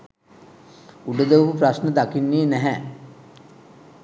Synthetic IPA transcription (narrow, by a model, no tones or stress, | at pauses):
uɖəd̪əʋəkupɾasnəd̪akinːiːnɛɦɛ